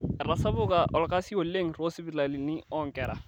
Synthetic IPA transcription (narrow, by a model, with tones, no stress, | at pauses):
rasa˦bo˦kaʔɔ˨lɔka˦si˦wo˨lːe˦ŋ̩ro˦si˦bila˨li˨ni˦ɔŋ̩˨kɛɾa̰˨